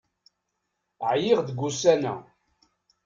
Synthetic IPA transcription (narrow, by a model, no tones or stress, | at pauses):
ʕjɪʁd̪əɡːusænæ̰